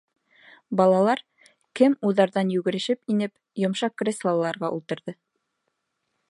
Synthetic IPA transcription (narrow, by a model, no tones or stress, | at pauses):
bɑlˠɑlˠɑɾ | kɘmuðɑɾðɑnjʉɡɘ̆ɾɘ̆ʃɘpinɘp | jŏmʃɑqkrʲeslˠalˠːɑɾʁɑʔṵlˠt̪ɤ̆ɾðɤ